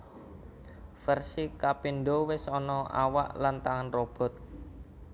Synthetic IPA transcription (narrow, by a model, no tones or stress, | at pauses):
fɛrsikapinɖowɪsɔnɔa̰wa̰ʔlant̪aŋanrɔb̥ɔ̤t̪̚